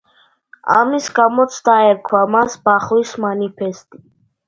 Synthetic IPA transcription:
a̰misɡamɔt̪sʰd̪aɛɾkʰwamasbaχwismanipʰɛst̪ʼi

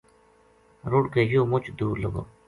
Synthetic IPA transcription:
ɾʊɽkeːjoːmʊt͡ʃd̪uːɾləɡo̰ː

